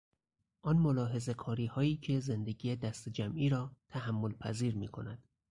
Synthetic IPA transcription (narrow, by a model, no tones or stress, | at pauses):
ʔɒnmo̞lɒːɦe̞ze̞kʰɒːɾiːhɒːiːcʰe̞ze̞nd̪eɟiːjed̪æst̪ed͡ʒæmʔiːɾɒːt̪ʰæhæmːo̞lpʰæziːɾmiːkʰo̞næd̪̥